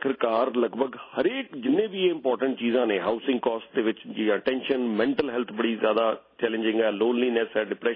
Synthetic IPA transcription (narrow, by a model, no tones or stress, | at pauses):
kʰɪɾkaːɾləɡbʱəɡhəɾeːkd͡ʒɪnːẽːbiːeɪ̃mpɔːɾʈəɳʈ̚t͡ʃiːzãːnẽːɦaːʊsɪ̃ŋɡkɔːsʈ̚d̪eːʋɪt͡ʃd͡ʒiːaːʈɛ̃ːnʃənmɛ̃ːɳʈəlɦɛːlt̪ʰbəɽiːzjaːd̪aːt͡ʃɛːlɪ̃nd͡ʒɪ̃ŋɡɛːloːnliːnɛsɛːɖɪpɾɛː